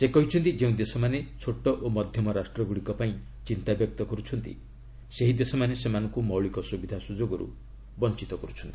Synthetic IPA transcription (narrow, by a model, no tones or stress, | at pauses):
sekɔɦit͡ʃʰɔnt̪id͡ʒeũd̪esɔmanet͡ʃʰoʈːɔʔomɔd̪ʱjɔmɔɾasʈɾɔɡuɭikɔpaĩ | t͡ʃint̪abjɔk̚t̪ɔkɔɾut͡ʃʰɔnt̪ḭ | seɦid̪esɔmanesemanɔ̃ŋkumɔwɭikɔsubid̪ʱasud͡ʒoɡɔɾṵ | bɔnt͡ʃit̪ɔkɔɾut͡ʃʰɔnt̪i̥